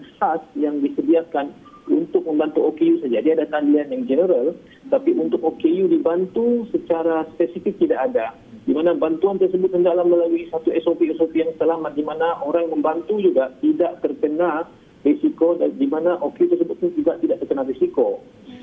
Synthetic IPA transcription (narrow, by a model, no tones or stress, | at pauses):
sasjaŋdisədiahkan | unt̪ʊk̚mə̃mbant̪uokejusad͡ʒadiaːdat̪andianjaŋd͡ʒənəɾal | t̪apiunt̪ʊk̚okejudibant̪usət͡ʃaɾaspɛsifik̚t̪idaʔada | dimanabant̪uant̪ərsəbʊt̪həndaʔlahməlaluisat̪uɛsopiɛsopijaŋsəlamat̪̚dimanaʔoɾaŋmə̃mbant̪ud͡ʒuɡaʔt̪idaʔt̪ərkənah | resikodadimanaʔokeut̪ərs̬əbʊt̪̚nid͡ʒuɡaʔt̪idaʔt̪ərkənahresiko